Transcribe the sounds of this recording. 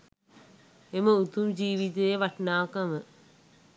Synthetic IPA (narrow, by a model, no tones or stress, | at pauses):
emɐut̪umd͡ʑiːʋid̪eeʋɐʈnaːkɐmɨ